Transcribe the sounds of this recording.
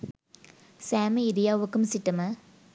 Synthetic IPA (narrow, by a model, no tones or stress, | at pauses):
saːmɪɾɪjaːʋɯkːɯmsɪʈːɯmɐ